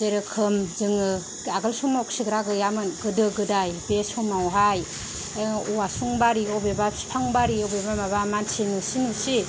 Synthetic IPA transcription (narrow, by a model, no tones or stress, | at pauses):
zeɾɯkʰɯmzɯŋɯ | aɡɯlsumawksiɡɾaɡɯjamɯnɡɯdɯɡɯdajbesumawɦaj | uwasuŋbaɾiɔbebaspʰaŋbaɾiɔbebamaβamansʰinusinusi